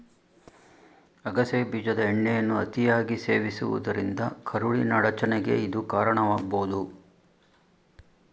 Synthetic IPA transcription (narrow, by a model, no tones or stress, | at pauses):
ɐɡɐsebiːd͡ʒɐd̪ɐeɳːɛjɐnːuɐt̪ijaːɡiseːʋisṵʋṵd̪ɐɾind̪ɐkʰɐɾuɭinɐɽɐt͡ʃɐnɛɡe̞̰id̪ukaːɾɐɳɐʋaːɡboːud̪u